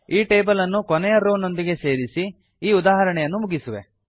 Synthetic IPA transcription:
iːʈeːbɐlɐnːukonɛjɐɾoːno̞nd̪iɡe̞se̞ːɾisi | iːud̪aːɦɐɾɐɳɛjɐnːumuɡisuʋe̞̰

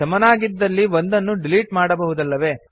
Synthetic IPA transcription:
ɐmɐnaːɡid̪ːɐlːiʋo̞nd̪ɐnːuɖiliːʈmaːɽɐbɐɦud̪ɐlːɐʋe̞ː

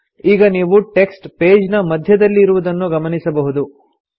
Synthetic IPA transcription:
iːɡɐniːʋuʈe̞ksʈpeːd͡ʒnɐmɐd̪ʱjɐd̪ɐlːiːɾuʋud̪ɐnːuɡɐmɐnisɐbɐɦud̪u

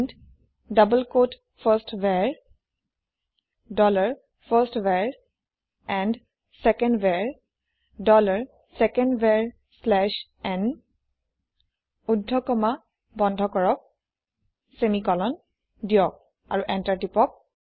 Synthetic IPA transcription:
nd | dʌbəlkot | pʰəstwɛɹ | dɔlaɹ | pʰəstwɛɹ | ɛnd | sɛkɛndbɛɹ | dɔlaɹ | sɛkɛndbɛɹ | slɛʃ | ɛn | udʱːɔkɔma | bɔndʱɔkɔɹɔk̚ | semikɔlɔn | dijɔk̚ | aɹuʔɛntaɹtipɔk̚

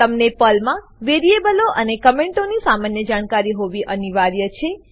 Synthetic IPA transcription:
t̪əmnepəlmã | ʋeɾiebəloʔənekəmẽɳʈonisamanjəd͡ʒaɽ̃kaɾiɦoʋiʔəniʋaɾjət͡ʃʰe

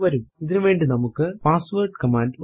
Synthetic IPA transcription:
ʋɐɾumiðinɨʋeːɳɖinɐmukːɨpaːsʋɐrʈkɐmaːɳɖʋ

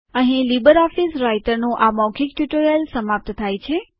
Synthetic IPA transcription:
ə̃ɦĩlibəɾɔfisɾajʈəɾnũʔamɔkʰikʈuʈoɾjəlsəmap̚t̪t̪ʰajt͡ʃʰe

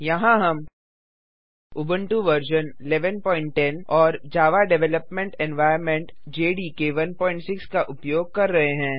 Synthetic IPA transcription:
jɐɦãɦɐm | ʊbə̃ɳʈuʋɐɾd͡ʒənɪleʋənpɔ̃ːɪ̃ɳʈ̚ːɛnɔːɾd͡ʒaːʋaɖɛʋɛləpmẽɳʈɛ̃nʋaːɪəɾmɛ̃ɳʈd͡ʒeːɖiːkeʋɐnpɔ̃ːɪ̃ɳʈsɪkskaʔʊpjoːɡ̚kɐɾːɐɦeɦɛ̃ː

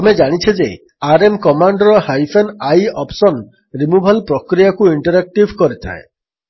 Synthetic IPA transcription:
t̪ɔmed͡ʒaɽ̃it͡ʃʰed͡ʒḛ | aɾemkɔmaɳɖɔɾɔhajpʰenajɔpsɔn | ɾimubʱalpɾɔkɾijakuiɳʈɔɾak̚ʈibʱkɔɾit̪ʰa̰e

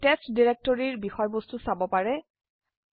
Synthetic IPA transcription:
testdiɹɛk̚tɔɹiɹbixɔjbɔstusabɔpaɹɛ

